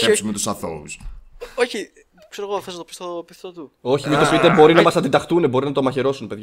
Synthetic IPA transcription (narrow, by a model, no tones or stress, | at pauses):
esumet̪usɐθo̰usoçi | kseɾoɣoxθesnɐt̪opist̪opiθt̪ot̪uo̞çimit̪opit̪ebo̞ɾinɐmɐsɐnd̪id̪ɐxt̪unebo̞ɾinɐt̪omɐçe̞ɾo̞sunpe̞ðʝ